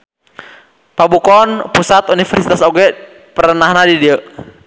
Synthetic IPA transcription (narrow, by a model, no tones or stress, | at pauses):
pabukɔnpusat̪unifərsit̪asɔɡɛ | pəɾənahnadidiəʔ